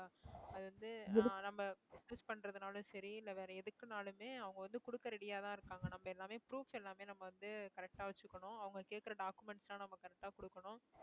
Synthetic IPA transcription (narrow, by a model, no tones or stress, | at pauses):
aɐðɯʋɐnd̪ɯnɐmːɐbɪsnɪspɐɳːɾɐðɯnaːlɯ̃sɐɾiɪlːɐʋeːɾɐɛðɯkːɯnaːlɯmeːɐʋɐŋɡɐʋɐnd̪ɯkʊɽɯkːɐɾɪɽɪjaːt̪ãːɪɾɯkːaːŋɡɐnɐmːɐɛlːaːmeːpɾuːfɛlːaːmeːnɐmːɐʋɐnd̪ɯkɐɾɛk̚ʈaːʋɐt͡ʃːɯkːɐɳʊ̃ɐʋɐŋɡɐkeːʈkɪɾɐɖaːkɯmɛɳʈslaːnɐmːɐkɐɾɛk̚ʈaːkɔɽɯkːɐɳʊ̃